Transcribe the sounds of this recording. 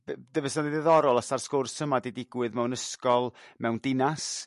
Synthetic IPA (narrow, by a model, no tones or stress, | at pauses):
bdəvɛsnadiðɛðɔɾɔlˠasarskʊrsəmadidɪɡwɨðmɛwnəskɔlˠmɛwndɪnas